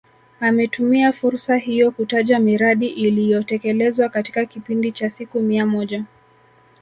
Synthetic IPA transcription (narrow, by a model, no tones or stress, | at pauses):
amɛtumiafuɾsahijɔkutaʄamiɾaɗiʔilijɔtɛkɛlɛzwakati̥kakipindit͡ʃasikumiamɔʄa